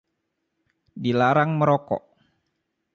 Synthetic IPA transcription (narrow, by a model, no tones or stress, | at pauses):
dilaɾaŋməɾɔkɔ̰ʔ